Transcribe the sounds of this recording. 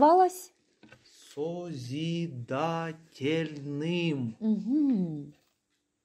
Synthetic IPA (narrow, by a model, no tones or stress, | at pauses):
ʋɑlˠɐsʲ | sɔzʲid̪atʲelʲnɪmm̩ɦ̩